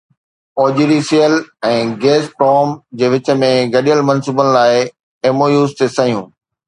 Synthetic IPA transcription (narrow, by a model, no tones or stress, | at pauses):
oːd͡ʑiɾisijəlɛ̃ːɡeːsʈɾɔːmd͡ʑeːʋɪt͡ɕə̆mẽɡɐɗijəlmɐnsuːbənɪ̆laːɪ | eːmoːjuːzt̪esɐɦijũː